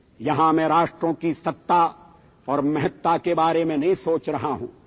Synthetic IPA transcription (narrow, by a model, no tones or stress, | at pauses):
jɐɦãmɛ̃ːɾaːʃʈɾõkisɐt̪ːa | ɔːɾmɐɦət̪ːakebaːɾemẽnɐɦĩsoːt͡ʃɾɐɦaɦṵ̃ː